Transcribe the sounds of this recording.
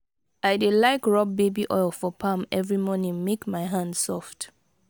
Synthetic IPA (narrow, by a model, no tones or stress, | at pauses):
aɪdelaɪkɹɔb̚bebiʔɔɪlˠfɔpʰãmɛvɹimɔnĩŋmekmaɪɦãndsɔft